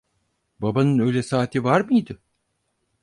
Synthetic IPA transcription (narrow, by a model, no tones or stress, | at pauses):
babanɯnø̞jlʲɛsaːt̪ʰivaɾmɯjd̪ɯ